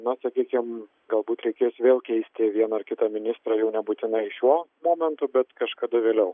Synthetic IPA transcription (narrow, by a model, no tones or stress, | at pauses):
nɐsɐkʲiːkʲɪm | ɡɐlˠbuːt̪ɾʲɛɪkʲeːsʋʲeːlˠkʲɛɪsʲt̪ʲɪʋʲiɛnɐɐrkʲɪt̪ɑmʲɪnʲɪst̪ɾɑːjɛʊnʲɛbuːt̪ʲɪnɐɪʃʲuɔmoːmʲɛnt̪ʊbʲɛt̪kɐʃkɐd̪ɐʋʲeːlʲɛʊ